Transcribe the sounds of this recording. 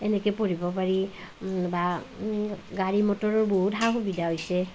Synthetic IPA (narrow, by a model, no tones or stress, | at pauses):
ɛnɛkɛpoɹibɔpaɹi | ba | ɡaɹimɔtɔɹɔɹboɦutɦawxubidaɦojsɛ